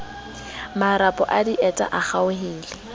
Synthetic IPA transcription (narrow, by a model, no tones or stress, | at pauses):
maɾapʼɔʔadiʔɛtʼa̰ʔaχaʊɦɪːlɪ